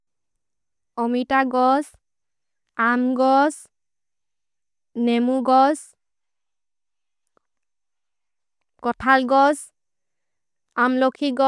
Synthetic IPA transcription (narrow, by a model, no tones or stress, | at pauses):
ɔmitaɡɔs | amɡɔs | nɛmuɡɔs | kɔtʰalɡɔs | amlokʰiɡɔ